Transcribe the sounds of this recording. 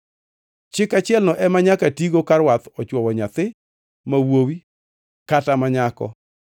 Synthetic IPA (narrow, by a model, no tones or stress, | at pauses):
t͡ʃɪkat͡ʃɪɛlnɔʔɛmaɲakatiɡokaɾwat̪ɔt͡ʃwɔwɔɲat̪ɪ | mawowi | katamaɲakɔ̰